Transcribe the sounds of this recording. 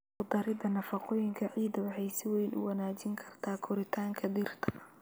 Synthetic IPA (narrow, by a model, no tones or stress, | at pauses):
qʊd̪ɐɾɪd̪ɐnɐfɑqɔːjɪŋkʰɐʕiːd̪ɐwɑħɑjsɪwɛjnʔʊ̰wnaːt͡ʃɪŋkʰɐrt̪ʰaːkʰʊɾɪt̪ʰaːŋkʰɐd̪ɪrt̪ʰɐ̥